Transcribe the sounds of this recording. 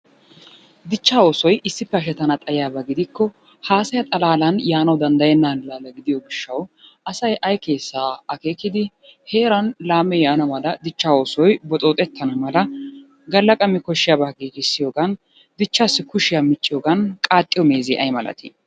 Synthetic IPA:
d̪ɪt͡ʃːaːoːsɔjʔɪsːɪpːɛɐʃɛt̪ɐnɐt̪ʼɐjjaːbɐɡɪd̪ɪkːɔ | haːsɐjɐt̪ʼɐlaːlɐnjaːnɐwd̪ɐnd̪ɐjɛnːaːnlaːlɐɡɪd̪ɪjɔɡɪʃːɐw | ɐsɐjʔɐjke̞ːsːaːɐke̞ːkːɪd̪ɪ | he̞ːɾɐnlaːmːɛjɐʔnɐmɐlɐd̪ɪt͡ʃːaːoːsɔjbɔt̪ʼoːt̪ʼɛt̪ːɐnɐmɐlɐ | ɡɐlːɐkʼɐmɪkɔʃːɪjaːbɐɡeːd͡ʒɪsːɪjo̞ːɡɐn | d̪ɪt͡ʃːaːsɪkʊʃɪjamɪt͡ʃʼːɪjoːɡɐnkʼaːt̪ʼːɪjɔme̞ːzɪːʔɐ̰jmɐlɐ̰t̪ɪ

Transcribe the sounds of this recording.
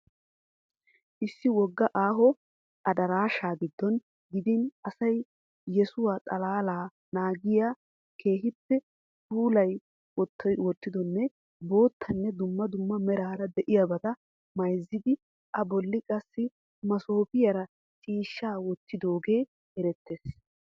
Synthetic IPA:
ʔɪsːɪwɔɡːɐʔaːɦɔ | ɐd̪ɐɾaːʃaːɡɪd̪ːɔn | ɡɪd̪ɪnɐsɐj | jɛsʊwaːt̪ʼɐlaːlaː | naːɡɪjaː | kʰe̞ːɦɪpːɛ | tuːlɐj | wɔt̪ʰːɔjwɔt̪ːɪd̪ɔnːɛ | bo̞ːt̪ʰːɐnːɛd̪ʊmːɐd̪ʊmːɐmɛɾaːɾɐd̪ɛʔɪjabɐd̪ɐ | mɐjzːɪd̪ɪ | ʔɐbɔlːɪkʼɐsːɪ | mɐso̞ːpɪjɐɾɐ | t͡ʃʼiːʃːaːwɔt̪ːɪd̪o̞ːɡeː | ɛɾɛt̪ːeːs

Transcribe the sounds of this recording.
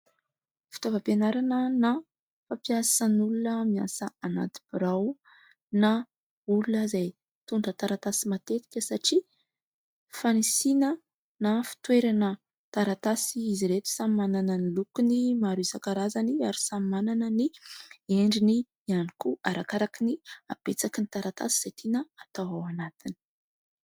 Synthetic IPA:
fi̥t̪avapenaɾanəna | fapiasənulunəmia̰səana̰t̪i̥b̥iɾaw | na | ulunəzaj | t̪uɳɖ͡ʐət̪aɾat̪asimat̪et̪i̥kʲəsaʈ͡ʂi | fanisinə | nafi̥t̪weɾanə | t̪aɾat̪asiiziɾet̪u̥samimananənilukunimaɾuisakaɾazaniaɾisamimananənieɳɖ͡ʐini | ianikuaɾʔakaɾakinia̰bet͡sakinit̪aɾat̪a̰si̥z̥ajt̪enəat̪awawanat̪ini̥

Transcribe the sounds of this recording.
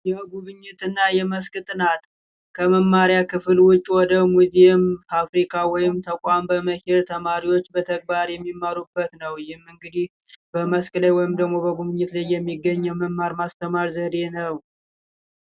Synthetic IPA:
jɛɡuβɨɲːɪt̪ɨnːajɛməskɨt̪ʼɨnat̪ | kʰəməmːaɾjakʰɨfɨlwʊt͡ʃʼːwɔd̪əmuzemafɾikʰawɔjɪmt̪ʰəkʷʼambəməkeɾt̪ʰəmaɾiwo̞t͡ʃːbət̪ʰəɡ̚baɾjɛmːimːaɾubːət̪nəwjɪmɨŋɡɨd̪ih | b̥əməskʼlajwɔjɪmd̪əɡmo̞bəɡuβɨɲːɨt̪lajːɛmːiɡːəɲːɛməmːaɾmast̪ʰəmaɾzɨhd̪e̞nəw

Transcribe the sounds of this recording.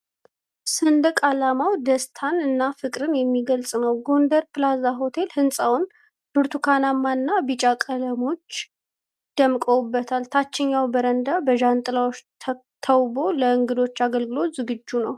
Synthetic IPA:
sɨnd̪əkʼalamawd̪əst̪ʰanɨnːafɨkʼɾɨnjɛmːiɡəlsʼnəwɡo̞nd̪əɾpɨlazaɦo̞t̪ʰe̞lhɨnsʼawn | nuɾt̪ʰukʰanamːanːabit͡ʃʼakʼələmo̞t͡ʃː | d̪̥əmkʼəwubːət̪ʰalt̪ʰat͡ʃːɪɲːawbəɾənd̪abəʒant̪ʼɨlawot͡ʃːʰ | t̪ʰəwbo̞ləɨŋɡɨd̪o̞t͡ʃːaɡəlɡɨlo̞t̪zɨɡɨd͡ʒːunəw

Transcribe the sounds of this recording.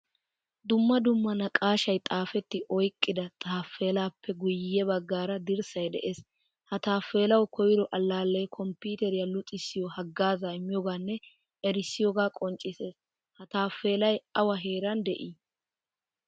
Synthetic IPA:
d̪ʊmːɐd̪ʊmːɐnɐkʼaːʃɐjt̪ʼaːfɛt̪ːɪʔɔjkʼːɪd̪ɐt̪ʼaːfːe̞ːlaːpʰːɛɡʊjɪjɛbɐɡːaːɾɐd̪ɪɾsɐjd̪ɛ̰ʔeːs | hɐt̪aːfe̞ːlɐwkɔjɪd̪ɔʔɐlːaːlːɛjkʰɔmpːiːt̪ɛɾɪjɐlʊt̪ʼːɪsːɪjɔhɐɡːaːzaːɪmːɪjɔɡaːnːɛ | ɛɾɪsːɪjɔɡaːkʼɔnt͡ʃʼːɪseːs | hɐt̪aːfːe̞ːlɐjɐwɐɦe̞ːɾɐnd̪ɛ̰ʔiː

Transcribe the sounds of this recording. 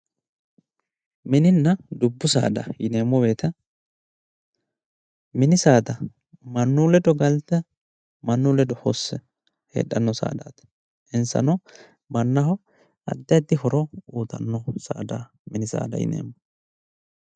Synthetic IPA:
mɛnɪnːɐd̪ʊbːʊsa̰ːd̪ɐ̰jɪneːmɔbeːt̪ʰɐ | mɪnɪsaːd̪ɐ | mɐnːulɛd̪ɔɡɐlt̪ːɛ | mɐnːʊlɛd̪ɔhosːɛ | hḛːɗɐnːɔsa̰ːd̪a̰ːt̪ | ɛnsɐ̰nɔ | bɐnːɐhɔ | ɐ̰d̪ːɛjɐd̪ɪhɔɾɔuːt̪ɐ̰nːɔsa̰ːd̪a | mɪnɪsa̰ːd̪ɐ̰jɪ̰nḛːmɔ

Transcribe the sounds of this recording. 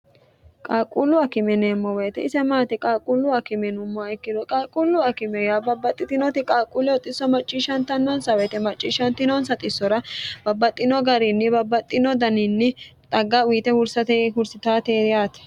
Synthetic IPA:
kʼaːkʼulʊɐkɪmɛneːmːɔwɛt̪ɛɪsɛmaːt̪ɪkʼaːkʼʊlːʊɐkɪmɛnʊmːɔɛkːɪd̪ɔkʼaːkʼulːʊɐkɪmɛjabɐbːɐt̪ʼːɪt̪ɪnɔt̪ɪkʼaːkʼːulɪɔt̪ʼɪsːɔmɐt͡ʃʼːiːʃɐnt̪ɐnːɔnsɐwɛt̪ɛmɐt͡ʃʼːiːʃɐnt̪ɪnɔnsɐt̪ʼɪsːɔɾɐb̥ɐbːɐt̪ʼːɪnɔɡɐɾɪnːɪbɐbːɐt̪ʼːɪnɔd̪ɐnɪnːɪt̪ʼɐɡːɐwiːt̪ɛhʊɾsɐt̪ɛhʊɾsɪt̪aːt̪eːɾɪjaːt̪ɛ̥

